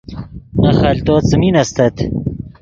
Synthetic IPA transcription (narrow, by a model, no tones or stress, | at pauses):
nɐxɐlt̪oːt͡sɨminɐst̪ɐt̪